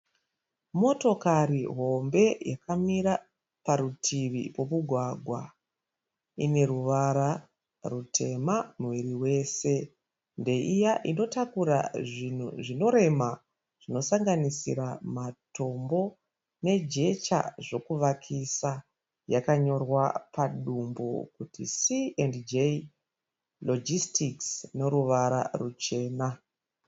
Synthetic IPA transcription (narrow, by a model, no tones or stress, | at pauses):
mo̞to̞kariɦo̞mbe̞jakamiɾa | paɾutʰiʋḭpo̞muɡʱwaɡʱwa | ine̞ɾuʋaɾa | rutʰe̞mamwiriwe̞ːse̞ | nde̞ʔijaʔino̞takuɾa̰ʐin̤uʐino̞ɾe̞ma | ʐ̥ino̞saŋɡanisḭɾamato̞mbo̞ | ne̞d͡ʒe̞t͡ʃa̰ʐo̞kuʋakʰisa | jakaɲo̞rwapaɗumbo̰kutḭsiendd͡ʒe | lod͡ʒistiksne̞ɾuʋaɾa̰rut͡ʃe̞ːna